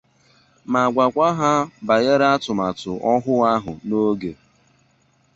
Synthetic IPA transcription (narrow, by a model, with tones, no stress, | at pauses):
ma˨ɡʷa˨kʷa˦ɦa˦ba˨ɣe˦ɾa˦tʊ˨ma˨tʊ˨ʔɔ˦ɦʊ˦ɣa˦ɦʊ˨no˦ɡe˨